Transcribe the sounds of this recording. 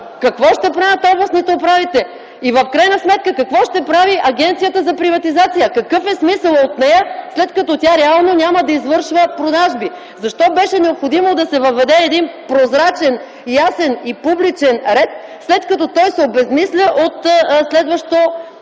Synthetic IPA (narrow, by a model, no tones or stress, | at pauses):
kɐkvɔʃt̪ɛpɾavʲət̪ɔblˠɐsnit̪oopɾavit̪ɛ | ivəfkɾajnɐsmɛt̪̚kəkɐkvɔʃt̪ɛpɾaviʔɐɡɛnt̪sijət̪əzɐpɾivɐt̪izat̪sijəkɐkɤfɛsmisəlˠot̪nɛjəslɛt̪kɐt̪ɔt̪ʲaɾɛalˠnonʲaməd̪ɐizvɤɾʃvəpɾod̪aʒbi | zɐʃt̪ɔbɛʃɛnɛopxod̪imod̪ɐsɛvɐvɛd̪ɛːd̪inpɾozɾat͡ʃɛn | jasɛnipublit͡ʃɛnɾɛt̪̚ | slɛt̪kɐt̪ɔt̪ɔjsɛobɛzmislʲəʔot̪slɛd̪vəʃt̪o